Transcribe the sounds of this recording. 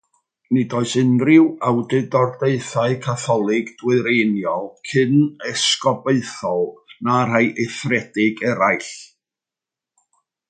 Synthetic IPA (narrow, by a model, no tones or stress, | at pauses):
nɪdoːɨsɨnrɪwawdɨdɔrdeɨθaɨkʰaθɔlˠɪɡd̥wɪɾejnjɔlˠkʰɨnɛskɔbeɨθɔlˠnar̥ajʔejθrɛd̥ɪɡɛɾajɬ